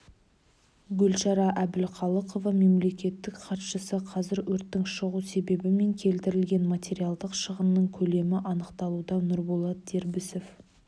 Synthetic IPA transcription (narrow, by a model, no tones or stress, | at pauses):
ɡʲɵlʃɑɾɑʔæbɪlqʰɑlˠəqo̞vɑme̞mle̞kʲe̞t̪ːɪkqʰɑt̪ʃəsəqʰɑzɪɾwɵɾt̪ːɪŋʃəʁuse̞be̞bɪme̞ŋkʲʰe̞lt̪ɪɾɪlɡʲe̞nmat̪ʰʲe̞ɾiɑlˠd̪əqʃəʁənːəɴkʲʰɵle̞mɪʔɑnəqt̪ɑlˠud̪ɑnʊɾbolˠɑt̪̚d̪e̞ɾbɪsof